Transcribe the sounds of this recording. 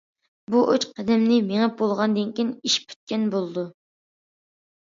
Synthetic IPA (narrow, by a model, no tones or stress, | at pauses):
buʔøt͡ʃqʰɛd̪ɛmnɪmeŋɪp̚bolˠʁɑnd̪ɨnkʲiniʃpʰʲy̥t̪̚kʲɛnbolˠɨd̪u